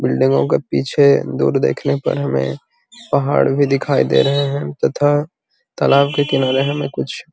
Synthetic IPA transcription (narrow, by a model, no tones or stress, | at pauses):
bɪlɖɪ̃ŋɡõkepiːt͡ʃʰed̪ṵːɾd̪ḛːkʰnepɐ̰ɾɦɐmḛ̃ | pɐɦa̰ːɽbʱid̪ɪkʰaːid̪ḛːɾɐɦeɦɛ̃t̪ɐt̪ʰa | t̪ɐlaːbkekɪnaːɾeɦɐ̃mẽkʊt͡ʃʰ